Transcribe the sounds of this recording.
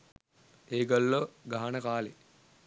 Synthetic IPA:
eːɡəlːoɡaɦanəkaːle

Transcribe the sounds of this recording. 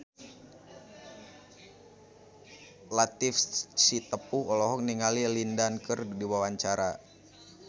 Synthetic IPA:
lat̪ifsit̪əpuɔlɔɦɔkniŋalilindankɨrdiwawaɲt͡ʃaɾa

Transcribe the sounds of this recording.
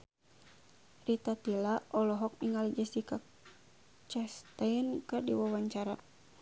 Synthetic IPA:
rit̪at̪ilaʔɔlɔɦɔk̚niŋalid͡ʒasika | t͡ʃɛst̪aənkɨrdiwawaɲt͡ʃaɾa

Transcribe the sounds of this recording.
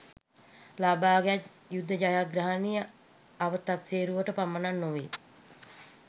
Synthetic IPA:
laːbaːɡejat̪ | jud̪ʱːəd͡ʒajaɡɾaɦanijə | aʋət̪ːakseːɾuʋəʈəpamːənanːoʋe

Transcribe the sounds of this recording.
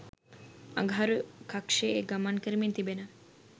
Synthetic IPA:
ɐ̰ɡʱaɾukakʂeeɡɐmankəɾiment̪ibenɐ

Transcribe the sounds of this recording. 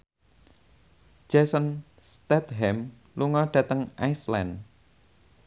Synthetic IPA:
d͡ʒ̥ɛsən | st̪ɛt̪ɦɛm | luŋɔɖ̥ä̤t̪əŋʔajslan

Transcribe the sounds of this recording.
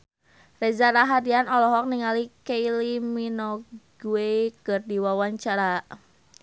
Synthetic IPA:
rɛzaɾaɦadianɔlɔɦɔk̚niŋalikeiliminɔɡuekɨrdiwawaɲt͡ʃaɾa

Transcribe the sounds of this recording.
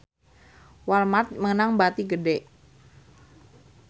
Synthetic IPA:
walmat̪̚məŋənaŋbat̪iɡəɖeʔ

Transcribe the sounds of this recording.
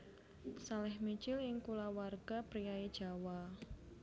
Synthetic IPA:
salɛhmit͡ʃɪlɪŋkulawarɡ̥apɾijaed̥ʒ̥a̤wa

